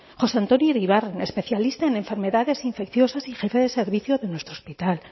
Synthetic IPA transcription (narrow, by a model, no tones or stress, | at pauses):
xo̞seant̪onjiriβarenespe̞θjalist̪aenẽ̞ɱfeɾmeðaðe̞siɱfekθjo̞sasixefeðeseɾβiθjoðenwest̪ɾospit̪al